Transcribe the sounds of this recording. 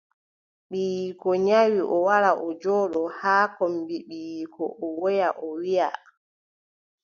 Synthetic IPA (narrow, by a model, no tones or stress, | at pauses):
ɓiːjikɔɲawiʔɔwaɾaʔɔd͡ʒɔːɗɔhaːkɔmbiɓiːjkʰɔ̰ʔɔwɔjaʔɔwija̰